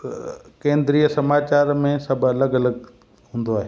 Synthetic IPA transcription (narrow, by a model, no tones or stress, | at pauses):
kẽːnd̪ɾiːəsɐmaːt͡ɕaːɾmẽsɐbʱɐləɡɐləɡ | ɦũːnd̪oaːɦeː